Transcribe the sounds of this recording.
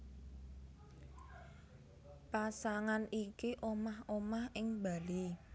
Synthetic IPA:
pasaŋanikiʔomahomahɪŋba̤li

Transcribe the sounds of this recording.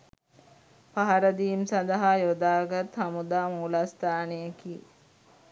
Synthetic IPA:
paɦaɾəd̪imsɐnd̪ɐɦajod̪aːɡat̪hamud̪aːmuːlast̪aːnejəki

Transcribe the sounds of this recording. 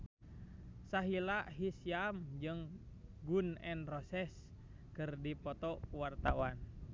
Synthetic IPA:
saɦilaʔɦisiamd͡ʒɨŋ | ɡunɛnrɔsɛs | kɨrdipɔt̪ɔwart̪awan

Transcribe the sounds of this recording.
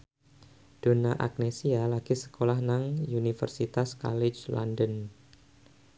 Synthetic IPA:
d̥o̤naʔa̰k̚nesialaɡ̥isə̥kolahnaŋunifə̰rsit̪aska̰lɪt͡ʃla̰ndən

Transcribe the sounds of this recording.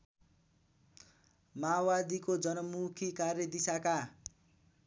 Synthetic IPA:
maːwad̪ikod͡zʌnʌmukʰikarjʌd̪isaka

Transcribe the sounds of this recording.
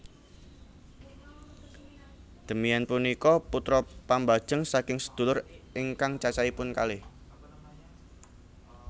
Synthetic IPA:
d̪̥ə̤miɛnpunikɔput̪ɾɔpambad̥ʒ̥əŋsakɪŋsə̥d̪̥ṳlʊrɪŋkaŋt͡ʃat͡ʃaipʊnkalɪh

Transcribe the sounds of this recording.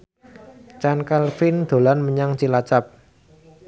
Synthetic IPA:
t͡ʃankalfind̪̥o̤lanməɲaŋt͡ʃilat͡ʃap̚

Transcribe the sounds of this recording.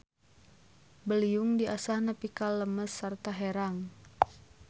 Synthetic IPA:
bəliuŋdiasahnəpikalːəməsːərt̪aɦeɾaŋ

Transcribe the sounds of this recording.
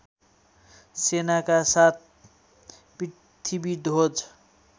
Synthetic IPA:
senakasat̪̚ʰ | pi | t̪ʰibiɖʱɦod͡z

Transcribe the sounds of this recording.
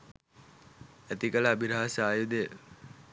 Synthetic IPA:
æt̪ikələːbʱiɾaɦasaːjud̪eə

